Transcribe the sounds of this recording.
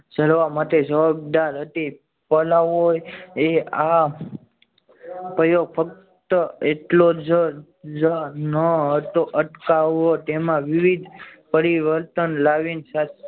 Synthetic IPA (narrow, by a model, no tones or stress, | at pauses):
d͡ʒəlʋamat̪ed͡ʒəʋaɡ̚d̪aɾɦət̪i | pəlaʋojea | pɾəjoɡ̚fʰək̚ | t̪əeʈlod͡ʒə | d͡ʒənəɦət̪oʔəʈkaʋot̪emãʋiʋid̪ʱpəɾiʋəɾt̪ənlaʋinsat̪